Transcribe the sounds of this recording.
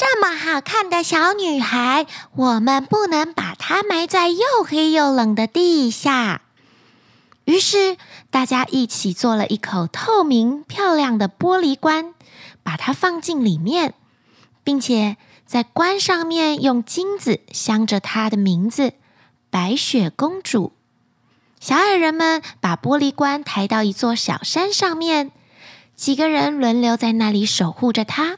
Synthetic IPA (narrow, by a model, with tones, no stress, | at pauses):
ʈ͡ʂa˥˩mə˨˩xa˨˩kʰa˥˩nd̪ə˨˩ɕjɑ˧˥ʊny˨˩xa˧˥ɪwɔ˨˩mə˧npu˥˩nɤ˧˥ŋpa̰˨˩t̪ʰa˥ma˧˥ɪt͡sa˥˧ɪjo˥˩ʊxe˧˥˧jo˨˩ʊlə˨˩ŋd̪ə˧˦t̪i˥˧ɕja˥˩ | y˧˥ʂɻ̩˥˩t̪a˥˩t͡ɕja˥ʔi˥˩t͡ɕʰi˨˩t͡swɔ˥˩lə˨˩ʔi˥˩kʰo˨˩ʊt̪ʰo˥˩ʊmi˧˥ŋpʰjɑ˥˧ʊljɑ˥˩ŋd̪ə˨pwɔ˥li˧˥kwa˥n | pa˨˩t̪ʰa˥fɑ˥˧ŋt͡ɕi˥˩nli˨˩mjɛ˥˩n | pi˥˩ŋt͡ɕʰjɛ˨˩ | t͡sa˥˩ɪkwa˥nʂɑ˥˧ŋmjɛ˥˧˨njʊ˥˩ŋt͡ɕi˥ŋd͡zɹ̩˨˩ɕjɑ˥ŋʈ͡ʂə˨t̪ʰa˥d̪ə˨mi˧˥ŋd͡z̩˧ | pa˧˥ɪɕɥɛ˨˩kʊ˥ŋʈ͡ʂṵ˨˩˦ | ɕjɑ˧˥ʊa˨˩ɪɻə˧˥nmə˨npa˨˩pwɔ˥li˧˥kwa˥nt̪ʰa˧˥ɪt̪ɑ˥˩ʊi˧˥t͡swɔ˥˩ɕjɑ̰˨˩ʊʂa˥nʂɑ˥˧ŋmjɛ˥˩n | t͡ɕi˨˩ɡə˦ɻə˧˦nlwə˧˥nljo˧˥ʊt͡sa˥˧ɪna˥˩li˨˩˦ʂo˨˩ʊxu˥˩ʈ͡ʂə˩t̪ʰa˥